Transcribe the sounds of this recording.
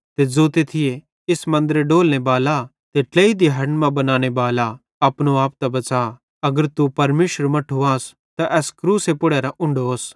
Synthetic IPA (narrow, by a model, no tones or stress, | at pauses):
t̪ed͡zoːt̪et̪ʰɪje | ɪsmɐ̃nd̪əɾeɖoːlñebaːla | t̪eʈleːid̪iɦɐɾnmãbɐnaːñebaːla | ɐpɽ̃oaːp̚t̪abɐt͡ʃaː | ɐɡəɾt̪upɐɾmeːʃəɾmɐʈʰuaːs | t̪aʔɛːskɾuːsepʊɽeːɾaʔʊ̃ɳɖos